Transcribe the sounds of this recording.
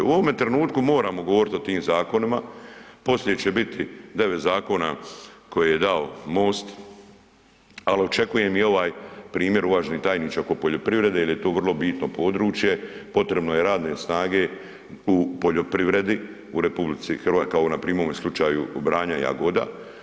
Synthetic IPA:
uoʋome̞t̪ɾenuːt̪kumo̞ːɾaːmo̞ɡoʋo̞ɾit̪o̞t̪iːmzaːko̞nima | po̞slʲeet͡ʃe̞bit̪id̪e̞ʋet̪zaːko̞ːnako̞jeje̞d̪aomo̞ːst̪ | alio̞t͡ʃe̞kuje̞mio̞ʋaːjpɾiːmje̞ɾuʋaːʒenit̪aːjniːt͡ʃaokopo̞ʎo̞pɾiʋɾe̞d̪ejelje̞t̪o̞ːʋrlˠo̞biːt̪no̞po̞ːd̪ɾuːt͡ʃje̞po̞t̪ɾe̞bno̞je̞ɾaːd̪ne̞snaːɡe̞ | upo̞ʎo̞pɾiʋɾe̞d̪i | uɾepublit̪sixrʋakaonapɾiːmoːmeslˠut͡ʃaːjṵbɾaːɲaja̰ɡo̞d̪a̰

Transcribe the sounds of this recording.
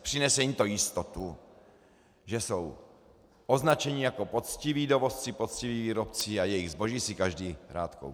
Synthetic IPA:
pr̥ɪnɛsɛjit̪ojɪst̪ot̪u | ʒɛsow | ʔoznat͡ʃɛɲɪjako̞pot͡scɪviːdovost͡sɪpot̪t͡sciviːviːɾopt͡siajɛjɪɣzbo̞ʒiːsɪkaʒdiːɾaːt̪ko̰w

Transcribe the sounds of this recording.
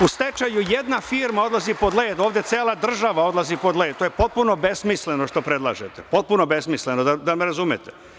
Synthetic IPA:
ust̪et͡ʃajujed̪nafiːɾmao̞d̪lˠazipo̞d̪leːd̪oːʋd̪ʲjet̪seːlˠad̪r̩ʒaʋao̞d̪lazipo̞d̪leːd̪t̪oːjepo̞t̪̚puno̞be̞smislenoʃt̪o̞pɾed̪lˠa̰ːʒet̪epo̞t̪̚punobe̞smislenod̪ad̪ameɾazumet̪e̥

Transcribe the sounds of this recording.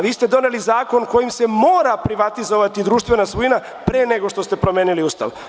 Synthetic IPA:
ʋiːst̪e̞d̪o̞ne̞lizaːko̞nko̞jimse̞mo̞ːɾapɾiʋat̪izo̞ʋat̪id̪ɾuːʃt̪ʋe̞nasʋuina | pɾeːneɡo̞ʃt̪o̞st̪e̞pɾo̞mjeːniliuːst̪a̰ʋ

